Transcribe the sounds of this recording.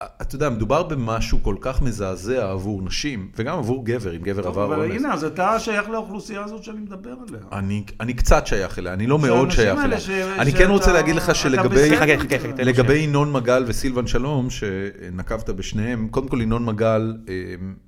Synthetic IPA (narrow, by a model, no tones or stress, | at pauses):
at̪jodeame̞d̪ubaʁbe̞maʃuko̞lkaχme̞zaːzeaːvuʁnaʃimveɡamavuʁɡe̞ve̞ʁimɡeveʁavaʁvlineazat̪aʃajaχleaoχlusijaːzo̞t̪ʃeanimed̪ɐbeʁalehaa̰nianikt͡sat̪ʃajaχeleaanilo̞meo̞dʃajaeleʃeanikenʁot͡seleaɡid̪leχaʃeleɡabejaakealeɡabe̞jino̞nmaɡalvesilvanʃalo̞mʃe | nakavt̪abeʃnehe̞mkod̪emkolino̞nmaɡalem